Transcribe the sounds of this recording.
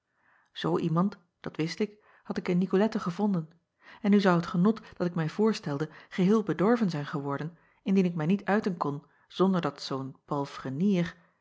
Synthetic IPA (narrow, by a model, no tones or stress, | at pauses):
z̥owʔimɑnt | d̥ɑtʋɪstɪk | hɑtɪkɪnːikolɛtəχəvɔndən | ɛnyzʌwɦətχənɔtd̥ɑtɪkmɛjv̥ʊːɹstɛlˠdəχəɦɪːlˠbədɔɹvənzɛjnχəʋɔɹdən | ɪndinɪk̚mɛjnitœɥtənkɔn | z̥ɔndəɹdɑtsownpɑlˠfrəniːr